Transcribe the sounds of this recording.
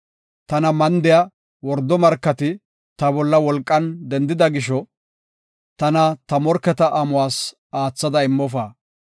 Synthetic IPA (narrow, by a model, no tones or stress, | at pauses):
t̪ɐnɐmɐnd̪ɪjɐ | wɔɾd̪ːɔmɐɾkːɐt̪ɪ | t̪ɐbɔlːɐwɔlkʼːɐnd̪ɛnd̪ɪd̪ɐɡɪʃɔ | t̪ɐnɐt̪ɐmɔɾkːɛt̪ɐʔɐmʊwaːs | aːt͡sːɐd̪ɐɪmːɔfaː